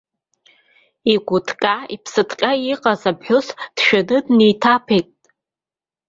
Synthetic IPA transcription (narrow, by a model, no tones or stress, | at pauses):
iɡʷʊtʰkʼaipʰsɨtʰqʲʼaiqʼazabħʊsd̥ʃᶣanɨdnejtʰapʰejtʼ